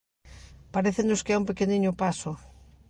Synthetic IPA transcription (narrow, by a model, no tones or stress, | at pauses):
paɾeθenʊskɪɛumpekeniɲʊpasʊ